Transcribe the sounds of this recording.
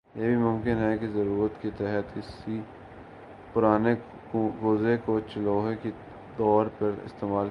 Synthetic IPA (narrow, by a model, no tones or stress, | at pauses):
jeːbʱimʊ̃mkɪnɦɛkezɐɾuːɾət̪ket̪ɛɦət̪kɪsi | pʊɾaːne | ɡoːzekot͡ʃəloːɦeki | d̪ɔːɾpɐɾɪ̰st̪eːmaːl